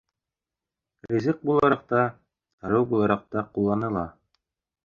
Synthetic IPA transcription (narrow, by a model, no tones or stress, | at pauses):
ɾʲizɘq̚bulˠɑɾɑq̚t̪ɑ | ɾɤwbulˠɑɾɑq̚t̪ɑqulˠːɑnɤ̆lˠɑ